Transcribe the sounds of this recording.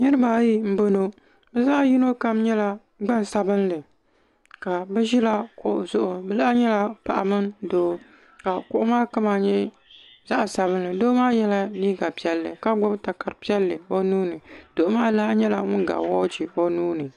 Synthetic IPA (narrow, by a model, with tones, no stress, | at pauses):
nɨ˦ɾɨ˦baː˦ji˦m̩˦bo˦no˦ | bɛ˦za˦ʔji˦no˦ka˦mɲɛ˦la˦ | ɡ͡ba˦n˨sa˨bɨ˦nlɨ˨ | ka˨bɛ˦ʒi˦la˦kʊ˨ʔʊ˨zʊ˦ʔʊ˨bɛ˦la˦ɲɛ˦la˦pa˨ʔa˨mɨ˦ndoː˦ | ka˨kʊ˨ʔʊ˦maː˦ka˦ma˨ɲɛ˦ | za˦ʔsa˨βɨ˦n˦lɨ˨doː˦maː˦jɛ˦la˦niː˦ɡa˨pi˦ɛ˦lːɨ̰˨ka˦ɡ͡bʊ˦bta˨ka˨ɾpi˦ɛ˦lːɨ˨o˦nuː˦nɨ˨do˨ʔʊ˦maː˦la˦ɲɛ˦la˨ŋʊ˦n˦ɡa̰˨wɔ˦t͡ʃi˨o˦nuː˦nɨ˨